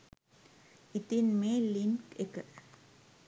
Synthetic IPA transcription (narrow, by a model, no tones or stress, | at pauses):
it̪ːinmeːlinkekːɐ